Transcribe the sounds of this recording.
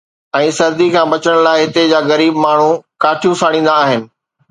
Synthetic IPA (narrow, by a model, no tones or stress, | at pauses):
ɛ̃ːsɐɾd̪ikʰãːbɐt͡ɕəɽ̃laːɪɦɪt̪ed͡ʑaːɣɐɾiːbmaːɳ̤ũkaːʈʰijũsaːɽ̃ĩːn̆d̪aːɦɪnɪ̆